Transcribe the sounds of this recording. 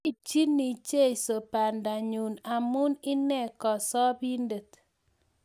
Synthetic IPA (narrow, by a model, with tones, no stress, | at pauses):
i˦˨t͡ʃi˦nːi˨t͡ʃe˦i˨so˨pa˨nda˨ɲu˨na˨mu˦ni˦nɛ˦˨kɔ˨sɔ˦bi˦ndə˨t